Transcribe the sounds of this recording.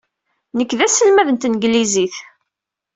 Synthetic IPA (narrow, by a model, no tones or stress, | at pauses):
nəkːðæsəlmæðənt̪nɡliziθ